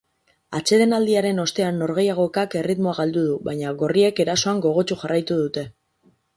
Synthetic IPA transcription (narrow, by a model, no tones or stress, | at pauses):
at͡ʃe̞ðe̞nald̪iaɾe̞no̞st̪e̞anːo̞ɾɣe̞jaɣ̞o̞ekake̞rit̪mo̞aɣald̪uðuβajɲaɣo̞rie̞ke̞ɾaso̞aŋɡo̞ɣ̞o̞t͡ʃuxarajt̪uðut̪e̞